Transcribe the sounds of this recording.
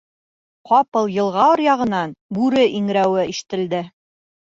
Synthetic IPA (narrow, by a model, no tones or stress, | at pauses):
qɑpɤlˠjɤ̆lˠʁɑɤ̆ɾjɑʁɤ̆nɑnbʉɾɘʔiŋɾæwɘiʃɘ̥̆t̪ɘ̆ld̪ɘ